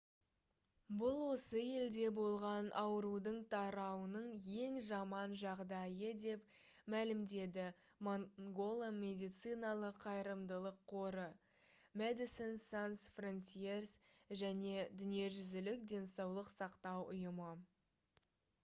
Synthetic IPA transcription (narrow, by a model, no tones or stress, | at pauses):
bʊlˠwo̞səje̞ld̪e̞bo̞lˠʁɑnʔɑwəɾud̪əɴt̪ʰɑɾɑwənəɴje̞ŋʒɑmɑnʒɑʁd̪ɑjəd̪e̞p | mælɪmd̪e̞d̪ɪ | moɡo̞lˠamʲe̞d̪ijt̪sɨjnɑlˠəqʰːɑjɾəmd̪əlˠəqʰːo̞ɾə | med̪isensansfront̪ʲiersʒæne̞d̪ʏnije̞ʒʏzɪlɪkd̪ʲe̞nsɑwlˠəqsɑqt̪ɑwʊjəmə